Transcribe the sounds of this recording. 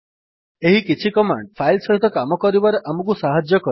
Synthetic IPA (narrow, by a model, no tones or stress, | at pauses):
eɦikit͡ʃʰikɔma̰ɳɖpʰajlsɔɦit̪ɔkamɔkɔɾibaɾeʔamukusaɦad͡ʒjɔkɔ